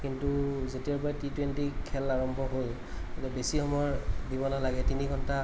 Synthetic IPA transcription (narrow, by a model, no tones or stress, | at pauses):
kintuzetiaɹpaɛtitwentikʰɛlaɹɔmbʱɔɦol | atɛbesixɔmɔɔɹdibɔnalaɡɛtiniɡʱɔnta